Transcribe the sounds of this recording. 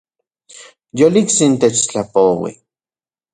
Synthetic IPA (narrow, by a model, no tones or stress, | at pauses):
joliksint̪et͡ʃt͡ɬapowḭ